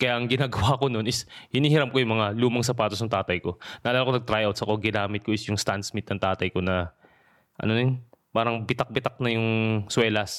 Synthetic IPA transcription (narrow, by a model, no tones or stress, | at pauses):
kɐjaʔɐŋɡɪnaːɡɐwako̞no̞nɪshɪniːhɪɾamkojʊŋmɐŋaluːmɐŋs̬ɐpaːt̪osnɐŋt̪aːt̪ɐjko̞naʔːlaːlakonɐɡ̚t̪ɾajʔawt̪sɐkoɡɪnaːmɪt̪̚ko̞ɪsjʊŋst̪ansmɪt̪̚nɐŋt̪aːt̪ɐjko̞nɐ | ʔɐ̰nonɪnpaːɾɐŋbɪt̪ak̚bɪt̪ak̚nɐjʊŋswɛːlɐs